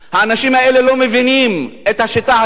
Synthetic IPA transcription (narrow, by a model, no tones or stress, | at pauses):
haːnaʃimhaelelo̞mevinimet̪haʃit̪aa